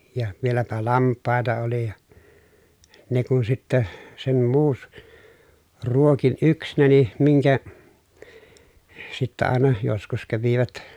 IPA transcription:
jɑ ʋielæpæ lɑmpˑɑˑetɑ oli jɑ ne kun sitːe sem muːs ruokin yksnæni miŋkæ sitːæ ɑˑenɑ joskus kæʋiʋæt

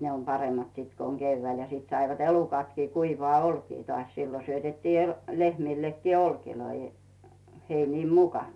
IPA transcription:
ne om pɑremːɑt siːt ko oŋ ɡ̊eyʋːæil jɑ siˑt sɑiʋɑt elukɑtkiː kuiʋŏɑː olkiː tŏɑˑsʲ siːlo syøtetːiː el lehmiˑlːekːiː olkiloi heiniːm mukɑˑn

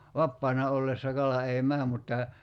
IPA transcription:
ʋɑpːɑːnɑ olːesːɑ kɑlɑ ei mæː mutːɑ

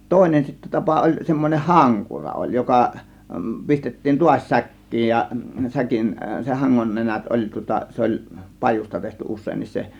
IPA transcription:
toˑe̝nen sitːæ tɑpɑ olʲ semːoneh hɑŋkurɑ olʲ jokɑ pistetːiːn tuɑsʲ sækːiːj jɑ sækin se hɑŋːon nenæt olʲ tŭŏtɑ se olʲ pɑjus̆tɑ tehty usˑeːnːis se

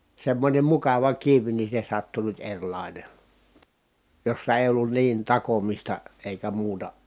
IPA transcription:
semːonʲem mukɑʋɑ kiʋ ni se sɑtːu nyt erʲlɑˑine josːɑ eˑi̯ olːun niːn tɑkomistɑ eˑikæ muːtɑ

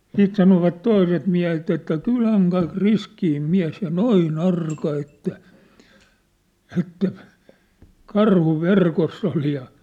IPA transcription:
siːt sɑnoʋɑt toiset miæhet etːæ kylæŋ kɑik riskiːm miæ̝s jɑ noin ɑrkɑ etːæ ɛtːæ kɑrhu ʋerkosː ol jɑ

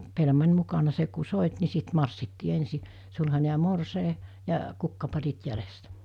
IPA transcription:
pelmɑnʲ mukɑnɑ se ku soˑit ni sit mɑrsːitːiː ensi sulhɑne jɑ morseˑi jɑ kukːɑpɑrit jælestæ

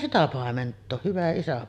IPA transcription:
sitæ pɑˑementˑoː hyʋæ isæ

